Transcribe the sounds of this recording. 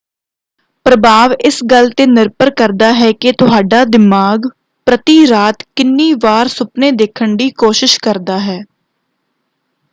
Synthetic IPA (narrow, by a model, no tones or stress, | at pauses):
pɾəbʱaːʋɪsɡəlt̪eːnɪɾpəɾkəɾd̪aːɦɛːket̪ʊɦaːɖaːd̪ɪmaːɡ | pɾət̪iːɾaːt̪kɪnːiːʋaːɾsʊpneːd̪eːkʰəɳɖiːkoːʃɪʃkəɾd̪aːɦɛː